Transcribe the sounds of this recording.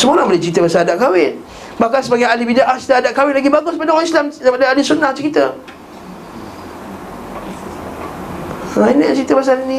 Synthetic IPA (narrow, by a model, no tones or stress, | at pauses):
səmuɾaŋbolet͡ʃɾit̪əbasaadaʔkawɪn | bahkansəbaɡajalibidaʔaht͡ʃi̥t̪əadaʔkawɪnlaɡibaɡʊspadŋislamsəbadəalisunaht͡ʃəɾit̪ə | ainət͡ʃɾit̪əbas̬alinĩ